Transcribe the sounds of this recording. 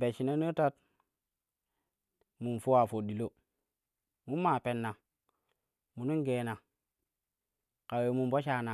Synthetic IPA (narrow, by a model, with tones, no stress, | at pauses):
be˨ʃi˨ne˦no˦ta˦t̚ | mu˨nfu˦wa˨fo˨ɗi˨lo˦ | mu˦mːa˨pe˨nːa˨ | mu˨nu˦ŋɡe˨na˨ | ka˨we˨mu˨mbo˦ʃa˦na˨